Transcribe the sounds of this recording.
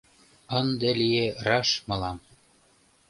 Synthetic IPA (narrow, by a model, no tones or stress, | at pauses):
ɤ̆nd̪ĕlijerɑʃmɤ̆lɑm